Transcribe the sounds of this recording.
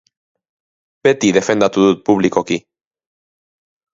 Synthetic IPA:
b̥e̞t̪iðe̞fe̞nd̪at̪uðut̪̚puβliko̞ki

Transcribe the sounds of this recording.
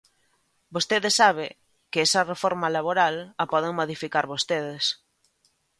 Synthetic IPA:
bost̪eðɪsaβ̞ɪ | kɪɛsɐrefɔɾmalaβ̞oɾalɐpɔð̞eŋmoðifikaɾβost̪eðɪs

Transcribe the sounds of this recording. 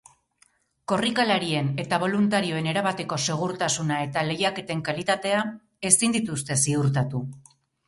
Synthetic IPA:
ko̞rikalaɾie̞ne̞t̪aβ̞o̞lunt̪aɾio̞e̞ne̞ɾaβat̪e̞ko̞se̞ɣ̞uɾt̪asunae̞t̪ale̞jake̞t̪e̞ŋkalit̪at̪e̞a | e̞sind̪it̪ust̪e̞siuɾt̪at̪u

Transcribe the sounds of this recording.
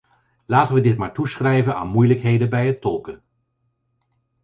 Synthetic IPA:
laːtənʋədɪtmaːɹtusχrɛjvəna̰ːnmujləkɦejdəbɛjɦətɔlˠkə

